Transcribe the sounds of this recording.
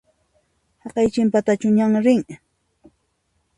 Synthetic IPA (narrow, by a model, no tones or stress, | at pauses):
hɑqɑjt͡ʃɪmpat̪at͡ʃʊɲaŋɾɪŋ